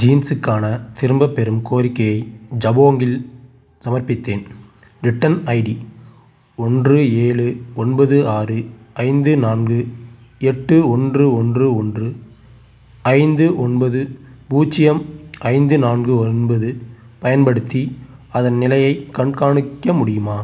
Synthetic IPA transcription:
d͡ʒiːnsɯkːaːnɐt̪ɪɾɯmbɐpːɛɾɯmkoːɾɪkːɐjɐɪd͡ʒɐboːŋɡɪl | sɐmɐrpɪt̪ːeːn | ɾɪʈːɐnɐɪɽi | ɔndrɯeːɭɯɔnbɐðɯaːrɯ | ɐɪnd̪ɯnaːnɡɯ | ɛʈːɯɔndrɯɔndrɯɔndrɯ | ɐɪnd̪ɯʔɔnbɐðɯbuːt͡ʃːɪjɐmʔɐɪnd̪ɯnaːnɡɯɔnbɐðɯ | pɐjɐnpɐɽɯt̪ːiɐðɐnnɪlɐjɐɪkːɐɳkaːɳɯkːɐmʊɽɪjɯmaː

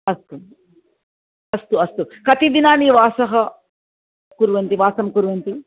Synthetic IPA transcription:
ɐst̪u | ɐst̪uɐst̪ukɐt̪id̪inaːniʋaːsɐɦɐ | kuɾuʋɐnt̪iʋaːsɐmkuɾuʋɐnt̪i

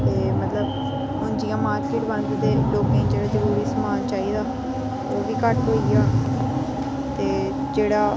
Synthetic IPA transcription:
t̪eːmət̪ləb | ɦʊnd͡ʒɪjãːmaːɾkɪʈʋənd̪d̪eːloːkẽːĩd͡ʒeːɽaːzəɾuːɾiːsəmaːnt͡ʃaːiːd̪aː | oːʋiːkəʈɦoːiaː | t̪eː | d͡ʒeːɽaː

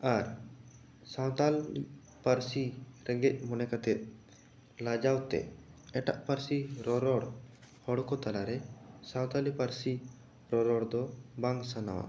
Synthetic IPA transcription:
aɾ | sawt̪al | paɾsiɾɛɡɛc̚ˀmɔnɛkat̪ɛt̪̚ | lad͡ʒawt̪ɛ̰ɛʈa̰ʔpaɾsiɾɔɾɔɽ | hɔɽkɔt̪alaɾɛsãwt̪alipaɾsi | ɾɔɾɔɽd̪ɔbaŋsanawa̰

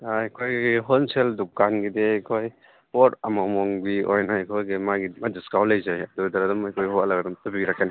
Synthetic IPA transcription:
akʰojɡiɦonseldukanɡidekʰoj | oɾɐmɔmɔŋbiɔjnajkʰojɡimaɡimadiskawlɐjzajɐdudaɾɐdɐmajkʰojhoɐlaɡɐdumtabiɾakʰːani

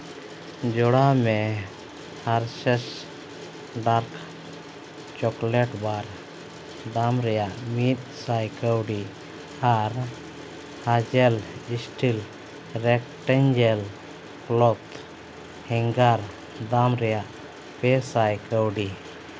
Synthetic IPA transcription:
d͡ʒɔɽamɛ | haɾsɛs | ɖaɾkʰ | t͡ʃɔklɛʈbaɾ | d̪amɾɛjaʔmit̪̚sajkəwɖi | aɾ | had͡ʒɛlisʈil | ɾɛk̚ʈɛɲd͡ʒɛl | plɔt̪ | hɛŋɡaɾ | d̪amɾɛjaʔ | pɛsajkəwɖi

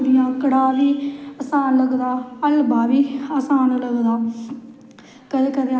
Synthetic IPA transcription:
bɪjãːkəɽaːʋiːəsaːnləɡd̪aːəlbaːʋiːəːsaːnləɡd̪aː | kəd̪eːkəd̪e

